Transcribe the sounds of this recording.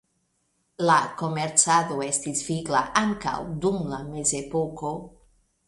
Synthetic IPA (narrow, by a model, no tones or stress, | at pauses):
lako̞me̞ɾt͡sado̞e̞stisviɡla̰ʔaŋka̰wdumlame̞ze̞po̞ko̞